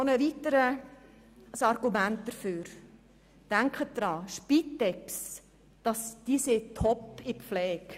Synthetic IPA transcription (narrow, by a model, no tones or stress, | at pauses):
onəʋit̪əɾə | sɑrɡumænt̚d̥əɾfyːɾ | d̥æŋkχət̚d̥̪ɾɑːʃpitːɛks | d̥ɑsd̥iːsetʰɔpɪpflɛːk